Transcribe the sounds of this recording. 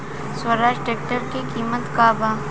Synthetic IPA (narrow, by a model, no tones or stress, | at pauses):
swəɾaːʃʈeːk̚ʈəɾkikiːmət̪kaːbaː